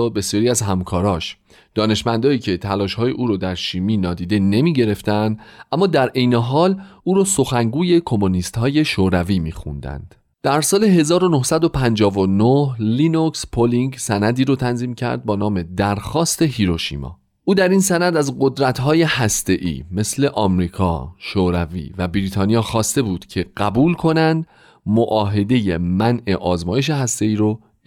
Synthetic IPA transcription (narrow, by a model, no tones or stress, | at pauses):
be̞sjɒːɾiæzɦæmkʰɒːɾɒːʃ | d̪̥ɒːne̞ʃmænd̪ɒːiːcʰe̞t̪ʰælɒːʃhɒːjeʔuːɾod̪æɾʃiːmiːnɒːd̪iːd̪e̞ne̞miːɟe̞ɾe̞ft̪ænd̪ʔæmːɒːd̪æɾʔejneɦɒːluːɾoːso̞xæŋɡuːje̞kʰo̞monist̪hɒːje̞ʃoɾæviːmḭːxṵnd̪æ̰nd̪̥ | d̪̥æɾsɒːle̞ɦe̞zɒːɾonohsæd̪o̞pʰænd͡ʒɒːvonohlinokspʰoliŋɡsænæd̪iːɾot̪ʰænziːmcʰæ̰ɾd̪̚bɒːnɒːme̞d̪æɾxɒːst̪e̞ɦiɾo̞ʃḭːmɒ̰ː | ʔuːd̪æɾinsænæd̪æzɢo̞d̪ɾæt̪ɦɒːje̞hæst̪e̞ʔḭːme̞sle̞ʔɒmɾiːkʰɒ̰ːʃoːɾævḭːvæbiɾiːt̪ʰɒːnijɒːxɒːst̪e̞buːd̪̥cʰe̞ɢ̥æbuːlkʰo̞nænd̪ | moʔɒːɦe̞d̪e̞jemænʔe̞ʔɒːzmɒːje̞ʃ̬e̞ɦæst̪e̞iːɾo